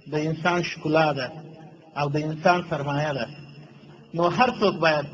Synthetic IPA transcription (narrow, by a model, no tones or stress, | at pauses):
d̪əɪnsɑnʃkʊlɑd̪a | awd̪əɪnsɑnsaɾmɑjad̪a | noɦaɾt͡sokbɑjad̪̚